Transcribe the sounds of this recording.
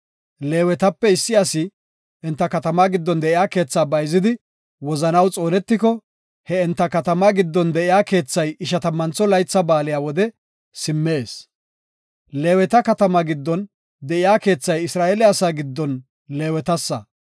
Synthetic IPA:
le̞ːwɛt̪ɐpːɛɪsːɪɐsɪ | ɪnt̪ːɐkɐt̪ɐmaːɡɪd̪ːɔnd̪ɛʔɪjaːke̞ːt͡sːaːbɐjzɪd̪ɪ | wɔzɐnɐwt͡sʼo̞ːnɛt̪ːɪkɔ | hɛɪnt̪ːɐkɐt̪ɐmaɡɪd̪ːɔnd̪ɛʔɪjaːke̞ːt͡sːɐjɪʃɐt̪ɐmːɐnt͡sːɔlɐjt͡sːɐbaːlɪjaːwɔd̪ɛ | sɪmːe̞ːs | le̞ːwɛt̪ɐkɐt̪ɐmɐɡɪd̪ːɔn | d̪ɛʔɪjaːke̞ːt͡sːɐjɪsɾaːeːlɪɐsaːɡɪd̪ːɔn | le̞ːwɛt̪ɐsːɐ̰

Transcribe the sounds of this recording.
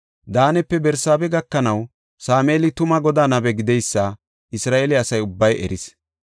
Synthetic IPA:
d̪aːnɛpːɛbɛɾsaːbɛɡɐkːɐnɐw | saːmeːlɪt̪ʊmɐɡɔd̪aːnɐbɛɡɪd̪ɛjsːɐ | ɪsɾaːʔelɪɐsɐjʊbːɐjɛ̰ɾɪs

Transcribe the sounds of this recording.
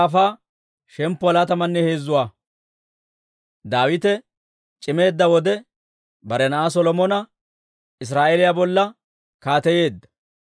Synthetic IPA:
ɐfaː | ʃɛmpːʊɐlat̪ɐmɐnːɛhe̞ːzːʊwaː | d̪aːwɪt̪ɛ | t͡ʃʼɪme̞ːd̪ːɐwɔd̪ɛ | bɐɾɛnɐʔas̬ɔlɔmɔnɐ | ɪs̬ɾaːʔelɪjabɔlːɐ | kaːt̪ɛje̞ːd̪ːɐ̥

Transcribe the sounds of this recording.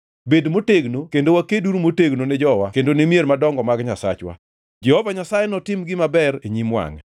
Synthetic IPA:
bedmoteɡnokendowakeduɾmoteɡnonɛd͡ʒɔwakendonemjeɾmadɔŋɡɔmaɡɲasa̰t͡ʃwa̰ | d͡ʒɛhɔvaɲasajenɔtɪmɡɪmabɛɾeɲimwa̰ŋɛ

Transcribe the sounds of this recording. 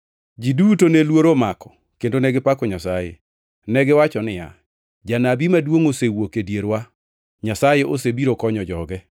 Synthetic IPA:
d͡ʒidutonelwoɾomakɔ̥ | kendonɛɡɪpakɔɲasajḛ | nɛɡɪwat͡ʃɔnɪja̰ | d͡ʒanabimadwoŋosewokedjeɾwa | ɲasajeʔosebiɾokɔɲɔd͡ʒɔɡɛ

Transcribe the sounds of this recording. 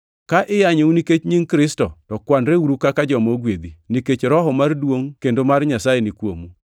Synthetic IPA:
kaʔɪjaɲeuniket͡ʃɲiŋkɾɪstɔtɔkwanɾeuɾukakad͡ʒɔmoɡwed̪iniket͡ʃɾɔɦɔmardwoŋkendomarɲasajenɪkwo̰mu

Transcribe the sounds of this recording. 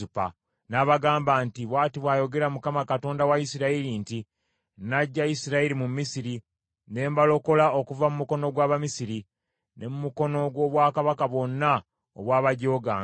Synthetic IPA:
upa̰ | naβaɡaːmbaːntiβwaːtiβwaːjo̞ɡe̞ɾamukamakato̞ːndawajisiɾaiɾinti | naɟːaisiɾaiɾimumːisiɾi | ne̞ːmbalo̞ko̞lao̞kuvamumuko̞no̞ɡwaːβamisiɾi | nʔe̞mumuko̞no̞ɡwo̞βwaːkaβakaβwo̞nːa | oβwaːβaɟo̞ːɡa

